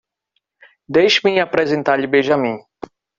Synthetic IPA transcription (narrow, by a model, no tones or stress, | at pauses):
d̪ejʃɪmĩapɾɛzẽnt̪aɾʎɪbeʒɐmĩ